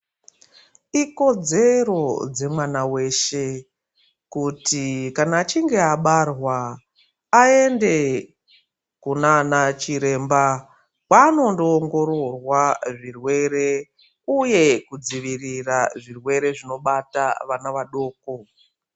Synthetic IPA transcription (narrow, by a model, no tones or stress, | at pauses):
iko̞d͡ze̞ɾo̞d͡ze̞mwanawe̞ʃe̞ | kutikanaːt͡ʃiŋɡe̞aɓarwaː | e̞nde̞ | kunanat͡ʃiɾe̞ːmba | wwano̞ndoːŋɡo̞ɾo̞rwaʐirwe̞ɾe̞ | uje̞kud͡ziʋiriraʐirwe̞ɾe̞ʐino̞ɓata̰ʋanaʋaɗo̞ːko̞